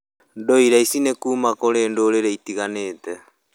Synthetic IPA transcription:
ndoiɾaisinekuːmakoɾeːndoːɾeɾeitiɣaneːtɛ

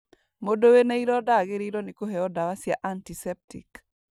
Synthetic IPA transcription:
modoweneiɾɔdaɡɪɾiɾonikoɦeɔdawasjaʔantisɛp̚tḭk

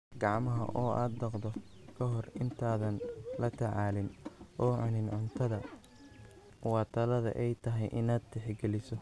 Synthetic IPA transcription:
ɡɑʕmɐɦɐ̰ʔɔːʔaːd̪bɐqd̪ɔ | kʰɐɦɔrɪnt̪ʰaːðɐnlɐt̪ʰɛʕɑːlɪnʔɔːʕʊnɪnʕʊnt̪ʰɐðɐ | wɑːt̪ʰɐlɐðɐ̰ʔɛjt̪ʰɐɦɛjʔɪnaːd̪̚t̪ʰɛħɡɛlɪsɔ

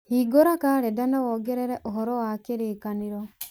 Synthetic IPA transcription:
hiɡoɾakaɾɛdanawɔɡɛɾɛɾɛʔoɦɔɾɔwakeɾekaniɾɔ

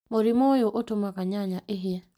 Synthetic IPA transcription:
moɾimojoʔotʊmakaɲaɲaʔɪɦɪa

